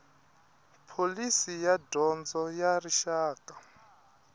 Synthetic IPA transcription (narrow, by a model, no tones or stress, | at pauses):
pʰolisijadɔnd͡zɔjariʃaːkʼa